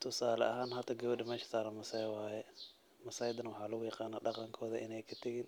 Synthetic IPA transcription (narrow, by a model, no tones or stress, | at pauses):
t̪ʰʊsaːlɐ̰ʔɐɦaːnɦɐt̪ʰɐɡɐwɐdɪmɛːʃɐ̥saːɾɐmɐsɐjwaːjɛ | mɐsɐjd̪ɐnɐwʊħɑːlʊɣʊjɑqɑːnaːɖɑqɑŋkʰɔːðɐʔɪ̰nɛjkʰɐt̪ʰɐɣiːn